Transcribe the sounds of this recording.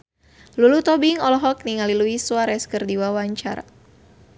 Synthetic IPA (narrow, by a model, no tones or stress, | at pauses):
lulut̪ɔbiŋɔlɔɦɔk̚niŋaliluiswaɾɛskərdiwawaɲt͡ʃa̰ɾa̰